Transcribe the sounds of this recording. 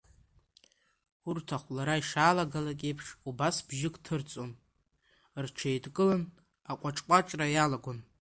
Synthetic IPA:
urtʰaχʷlaɾaiʂaːlaɡalakʲʼejpʰʂubasbʒɪkʼtʰɨrt͡sʼon | rʈ͡ʂʷʰejdkʼɨlan | aqʷʼaʈ͡ʂʼqʷʼaʈ͡ʂʼrajalaɡʷʊn

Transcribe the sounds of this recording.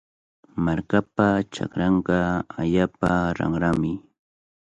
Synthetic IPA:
maɾkapat͡ʃa̰kɾɑɴɢɑaʎaːpaɾɑ̰ŋɾamɪ

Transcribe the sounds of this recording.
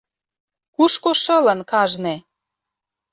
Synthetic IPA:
kuʃkoʃɤ̆lə̆nkɑʒne

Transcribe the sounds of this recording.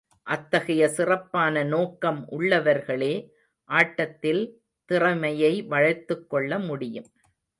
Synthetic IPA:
ʔɐt̪ːɐɣɐjɐsɪrɐpːaːnɐnoːkːɐmʔʊɭːɐʋɐɾɣɐɭeː | ʔaːʈːɐt̪ːɪl | t̪ɪrɐmɐjɐɪʋɐɻɐt̪ːɯkːɔɭːɐmʊɽɪjɯm

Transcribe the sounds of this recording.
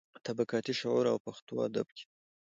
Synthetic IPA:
t̪abakɑt̪iʃʊʕuɾa̰wpaxt̪oa̰d̪a̰b̚kʰe̥

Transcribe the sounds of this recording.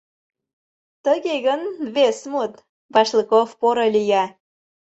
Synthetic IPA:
t̪əɣeɣənβesmut̪ | βɑʃlikofpoɾolʲijɑ

